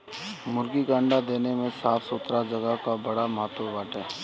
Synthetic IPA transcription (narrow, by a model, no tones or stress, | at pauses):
mʊɾɡikãːɳɖad̪eːnemẽsaːfsʊt̪ɾad͡ʒɐɡəɦkabɐɽamɐɦət̪ːwəbaːʈɛː